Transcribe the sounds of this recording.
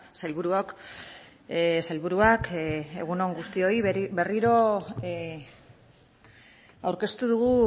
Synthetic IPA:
sajlβuɾuok | sajlβuɾuake̞̰ɣuno̞ŋɡust̪io̞ibe̞riɾo̞ | awɾke̞st̪uðuɣu

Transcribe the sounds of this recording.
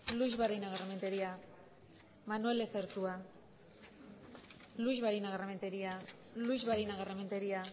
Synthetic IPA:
luizβaɾinaɣarement̪e̞ɾia | manue̞leθeɾt̪ua | luizβaɾinaɣarament̪eɾia | luizβaɾinaɣarement̪eɾia

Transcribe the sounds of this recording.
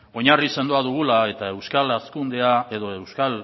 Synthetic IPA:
o̞ɲarise̞nd̪oaðuɣulae̞t̪ae̞wskalaskund̪e̞ae̞ð̞o̞e̞wskal

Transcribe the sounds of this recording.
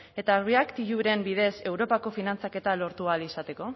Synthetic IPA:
e̞t̪aɾriakt̪iʝuɾe̞mbið̞e̞se̞wɾo̞pako̞finant͡sake̞t̪alo̞ɾt̪ualisat̪e̞ko̞

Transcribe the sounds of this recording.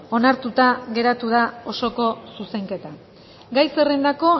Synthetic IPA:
o̞naɾt̪ut̪aɣe̞ɾat̪uð̞ao̞so̞ko̞suse̞ŋke̞t̪a | ɡajserend̪ako̞

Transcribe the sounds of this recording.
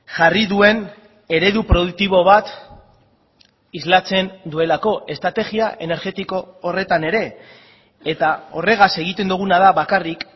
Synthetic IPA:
ʝariðue̞n | e̞ɾe̞ðupɾo̞ðuk̚t̪iβ̞o̞β̞at̪ | izlat͡se̞nd̪ue̞lako̞ʔe̞st̪ɾat̪e̞ɣiaʔe̞ne̞ɾɣe̞t̪iko̞ːre̞t̪ane̞ɾe̞ː | t̪ao̞re̞ɣ̞ase̞ɣ̞it̪e̞nd̪uɣ̞unaðaβakarik

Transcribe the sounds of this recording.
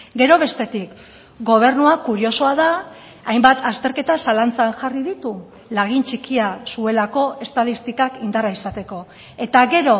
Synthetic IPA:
ɡe̞ɾo̞β̞e̞st̪e̞t̪ik | ɡo̞β̞e̞ɾnuakuɾio̞so̞aðaː | jmbat̪ʰast̪e̞ɾke̞t̪asalant͡sanʝariðit̪u | laɣ̞int͡ʃikiasue̞lako̞e̞st̪að̞ist̪ikakind̪araisat̪e̞ko̞ | e̞t̪aɣe̞ɾo̞

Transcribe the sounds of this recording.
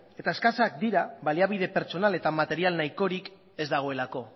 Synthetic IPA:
e̞t̪ae̞skasak̚d̪iɾaβaliaβ̞ið̞e̞pe̞ɾt͡ʃo̞nale̞t̪amat̪e̞ɾialnajko̞ɾik | e̞zd̪aɣ̞o̞e̞lako̞

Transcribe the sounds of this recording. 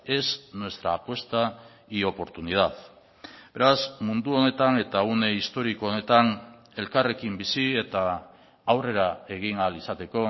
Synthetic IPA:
e̞snwe̞st̪ɾa̰ːpwe̞st̪a | io̞po̞ɾt̪unið̞að | be̞ɾasmund̪uo̞ne̞t̪ane̞t̪aune̞ist̪o̞ɾikoone̞t̪an | e̞lkare̞kimbisie̞t̪aː | wre̞ɾae̞ɣ̞iŋalisat̪e̞ko̞

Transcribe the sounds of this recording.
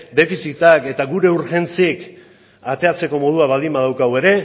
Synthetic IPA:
d̪e̞fisit̪ake̞t̪aɣuɾe̞uɾxe̞nt͡sik | at̪e̞at͡se̞ko̞mo̞ð̞uaβald̪imbað̞awkaɣwe̞ɾe̞

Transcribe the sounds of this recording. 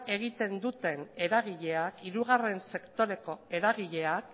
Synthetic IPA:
e̞ɣ̞it̪e̞nd̪ut̪e̞ne̞ɾaɣiʎe̞akiɾuɣ̞are̞nse̞kt̪o̞ɾe̞ko̞e̞ɾaɣiʎe̞ak

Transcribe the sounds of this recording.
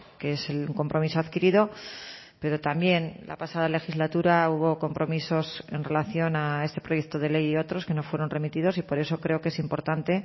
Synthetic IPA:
keeseluŋko̞mpɾo̞miso̞aðkiɾiðo̞ | pe̞ɾo̞t̪ambje̞nlʔa̰pasaðale̞xizlat̪uɾauβ̞o̞ko̞mpɾo̞miso̞se̞̰nre̞laθjo̞nae̞se̞pɾo̞je̞kt̪oð̞e̞le̞jio̞t̪ɾo̞ske̞no̞fwe̞ɾo̞nre̞mit̪iðo̞sipo̞ɾe̞so̞kɾe̞o̞ke̞simpo̞ɾt̪ant̪e̞

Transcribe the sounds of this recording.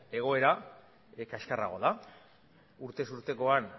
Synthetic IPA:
e̞ɣ̞o̞e̞ɾa | kaskara̰ɣ̞o̞ða | uɾt̪e̞suɾt̪e̞ko̞an

